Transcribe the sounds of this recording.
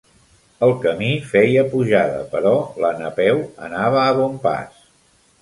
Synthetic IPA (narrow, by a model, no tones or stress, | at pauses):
əlˠkəmifɛjəpuʒaðə̰pəɾɔlənəpɛwə̰naβ̞əːβompa̰s